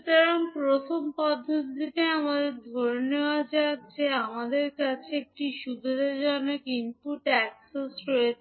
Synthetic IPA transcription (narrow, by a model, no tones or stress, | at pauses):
t̪ɔɾonpɾot̪ʰompɔd̪ʱːod̪ikeamad̪eɾd̪ʱoɾneoad͡ʑat̪d͡ʑeamad̪eɾkat͡ɕʰeek̚ʈiʃubʱed̪ʱad͡ʑonokinp̪uʈɛksesɾoe